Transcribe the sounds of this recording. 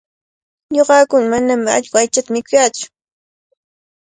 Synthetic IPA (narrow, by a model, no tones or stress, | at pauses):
ɲoɢɑːkʊnamanamɪa̰ʎkʊajt͡ʃat̪amɪkʊjaːt͡sʊ̥